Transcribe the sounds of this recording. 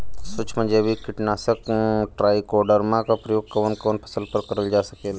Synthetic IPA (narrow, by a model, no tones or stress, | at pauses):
sʊt͡ʃʰmə̃nd͡ʒebʱikɪʈnaːsəkʈɾaːikoːɖəɾmãkapɾəjoːɡ̚kəʋənkɔːnpʰɐ̥səlpəɾkɐɾəld͡ʒaːsɐkeːla